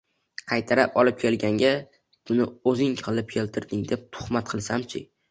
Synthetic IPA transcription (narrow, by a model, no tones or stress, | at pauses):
qʰɑjt̪ʰaɾapɒlˠɪp̚kʲʰe̞lɡʲaŋɡʲa | b̥ʊnɪɵzɪŋʲʰɨlˠɪp̚kʲʰe̞lt̪ʰɪɾd̪ɪŋd̪e̞p̚t̪ʰʊ̥χmat̪̚qʰɨlˠsamt͡ʃʰɪ̰